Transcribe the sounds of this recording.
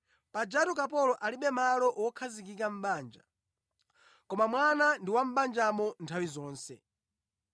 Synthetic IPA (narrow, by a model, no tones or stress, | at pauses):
pad͡ʒatukapɔlɔʔaliɓɛmalɔʔwɔkʰazik̬ikam̩ɓaːnd͡ʒa̰ | kɔmamwanandiwam̩ɓand͡ʒamɔntʰawizɔːnsɛ